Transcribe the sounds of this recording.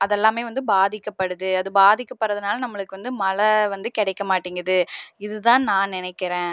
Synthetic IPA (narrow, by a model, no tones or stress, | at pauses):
ɐðɛlːaːmeːʋɐnd̪ɯbaːðɪkːɐpːɐɽɯðɯɐðɯbaːðɪkːɐpːɐɾːɐðɐnaːlɐnɐmːɐɭɯkːɯʋɐnd̪ɯmɐlɐʋɐnd̪ɯkɪɽɛɪkːɐmaːʈːiːŋɡɾɐðɯɪðɯt̪ãːnãːnɪnɛɪkːɪɾẽː